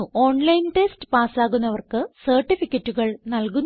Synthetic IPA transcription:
o̞ːɳlɐjnʈe̞stɨ̥paːsaːɣunːɐʋɐrkɨsɐrʈːifikʲːɐtːuɣɐɭnɐlkunː

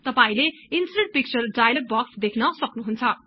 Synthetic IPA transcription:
t̪ʌpaĩleinsineɳʈ̚pik̚t͡sʌrɖajʌlʌk̚bʌksd̪ekʰnʌsʌknuɦunt͡sʰʌ

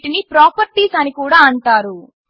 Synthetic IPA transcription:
ʈinipɾaːpɐɾʈiːsaːnikuːɽaːɐɳʈaːɾu

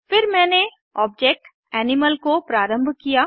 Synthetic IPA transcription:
fɪɾmɛ̃ːne | ɔːb̚d͡ʒeːk̚ʈ | ɛːnɪməlkopɾaːɾə̃mbʱkijaː

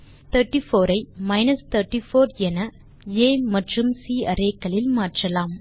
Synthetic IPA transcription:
t̪ɐɾʈːifoːɾɐɪmɐɪnɐst̪ʰɐɾʈːifoːɾɛnɐ | eːmɐʈrɯmsiːɐɾeːkːɐlɪlmaːʈrɐlaːm

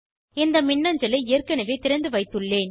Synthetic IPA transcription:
ɪnd̪ɐmɪɳːɐɲd͡ʒɐlɐɪeːrkɐnɐʋeːt̪ɪɾɐnd̪ɯʋɐɪt̪ːɯɭːeːn

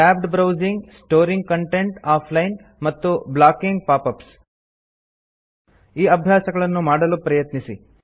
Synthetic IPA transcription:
aːbɖbɾɐwd͡ʒiŋɡsʈoːɾiŋɡ̚kɐɳʈeɳʈaːpʰlɐjn | mɐt̪ːublaːkiŋɡ̚paːpɐps | iːɐbʱjaːsɐɡɐɭɐnːumaːɽɐlupɾɐjɐt̪nisi

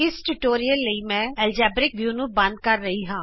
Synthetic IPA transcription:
ɪsʈuʈoːɾijəlːəimɛ̃ːɛːld͡ʒɛːbɾɪk̚ʋjuːnũːbɐ̃nd̪̚kəɾːəɦiɦãː

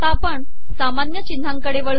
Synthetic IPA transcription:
apəɳ | samanjət͡ɕind̪ʱaŋkəɽeʋəɭ

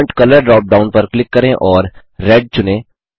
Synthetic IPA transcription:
ɳʈkɐləɾɖɾɔːp̚ɖaːʊnpɐɾklɪkːɐɾẽʔɔːɾː | ɛːɖ̚t͡ʃʊnẽ

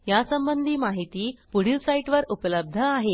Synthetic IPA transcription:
jasəmbənd̪ʱiːmaɦit̪iːpuɽ̤ilsaiʈʋəɾupləb̚d̪ʱəaɦe

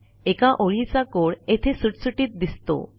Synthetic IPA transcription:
ekaʔoɾit͡ɕakoɾet̪ʰesuʈsuʈit̪̚d̪ist̪o̰

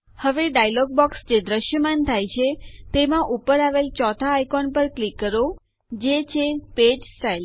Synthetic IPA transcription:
həʋeɖajlɔɡ̚bɔksd͡ʒed̪ɾəʃjəmant̪ʰajt͡ʃʰet̪emãʔupəɾaʋelt͡ʃɔt̪ʰaːjkɔnpəɾklikːəɾo | d͡ʒet͡ʃʰeped͡ʒsʈail

